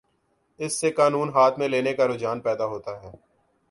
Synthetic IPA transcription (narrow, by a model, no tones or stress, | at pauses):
ɪsːekaːnuːnɦaːt̪ʰmẽleːnekaɾʊd͡ʒaːnpɛːd̪aɦoːt̪aɦɛː